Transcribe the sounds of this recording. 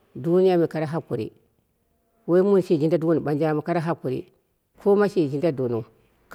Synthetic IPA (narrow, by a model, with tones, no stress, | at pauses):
du˦ni˦ja˦mi˨ka˨ɾa˦ɦa˦ku˨ɾḭ˦ | we˦mu˦n˨ʃi˦˨d͡ʒi˦nda˦du˦wu˦n˨ba˨nd͡ʒa˦˨ma˨ka˦ɾa˦ɦa˦ku˨ɾḭ˦ | kʰo˦ma˦ʃi˦˨d͡ʒi˦nda˦do˨nu˨ | k